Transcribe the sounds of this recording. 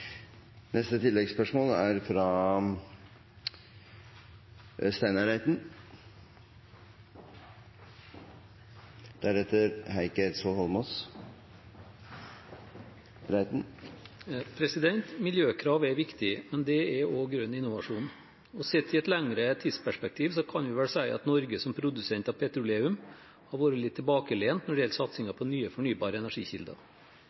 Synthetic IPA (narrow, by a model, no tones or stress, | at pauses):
nɛst̪ət̪ʰɪlːɛɡspœʂmoːlæɾfɾɑ | st̪æɪnɑɾæɪt̪n̩ | d̪̥æɾɛt̪ːəɾhæɪkəɾsohɔlmɔs | ɾæɪt̪n̩ | pʰɾɛsɪd̪ɛnt̪mɪljøːkʰɾɑːʋɛɾʋɪkt̪ɪmɛnd̪ɛɛoːɡɾʉnːɪnʊʋɑʂuːn | ɔsɛt̪ʰːɪɛt̪læŋɾət̪ʰiːd̪spʰæʂpɛk̚t̪ʰiːʋsɔkʰɑnʋɪʋɛlsæɪʔɑ̰t̪nɔɾɡəsɔmpʰɾʊd̪ʉsɛnt̪ɑːpʰɛt̪ɾʊleːʉm | hɑɾʋoːɾəlɪt̪ʰːɪɛlbɑːkəleːnt̪nɔɖɪjɛlt̪sɑt̪sɪŋɑpʰɔnyːəfɔɳyːbɑːɾəɛnæʂiːçɪ̰ld̪ɑ̰